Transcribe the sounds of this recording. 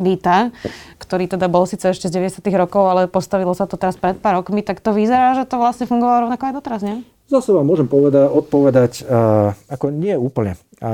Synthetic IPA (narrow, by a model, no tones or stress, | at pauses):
lit̪akt̪ɔɾiːt̪ɛd̪abɔlsiːt͡sɛɛʃcɛzɟɛʋɛɟɛsɪat̪iːɣɾɔkɔʊalɛpɔst̪aʋilɔsat̪ɔt̪ɛɾaspɾɛt̪̚paːɾɔkmit̪akt̪ɔʋizɛɾaːʒɛt̪ɔʋlasɲɛfuŋɡɔʋalɔɾɔʊnakɔaɪd̪ɔt̪ɛɾazɲɛ | zasɛʋamːʊɔʒɛmpɔʋɛd̪aɔt̪̚pɔʋɛd̪ac | akɔɲɪɛuːpl̩ɲɛ